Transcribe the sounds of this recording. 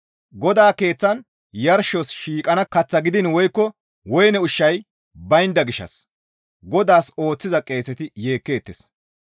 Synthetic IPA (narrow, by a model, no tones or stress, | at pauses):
ɡɔd̪aːke̞ːt͡sːɐn | jɐɾʃosʃiːkʼɐnɐkɐt͡sːɐɡɪd̪ɪnwɔjkːɔ | wɔjnɛʊʃːɐj | bɐjnd̪ɐɡɪʃːɐ̰s | ɡɔd̪aːso̞ːt͡sːɪzɐkʼe̞ːsːɛt̪ɪje̞ːkːe̞ːt̪ːes